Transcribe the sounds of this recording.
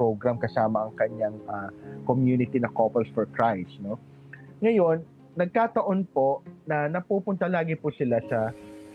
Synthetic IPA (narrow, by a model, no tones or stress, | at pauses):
owɡɾɐmkɐsaːmɐʔɐŋkɐɲaŋɐkomjuːnɪt̪inɐkoːpɛlsfɔɹt̪ɹajsno̞ | ŋɐjo̞nː | ɐɡ̚kaːt̪ɐʔo̞npo̞ʔnɐnɐpuːpʊnt̪ɐlaːɡɪpʊsɪlasɐ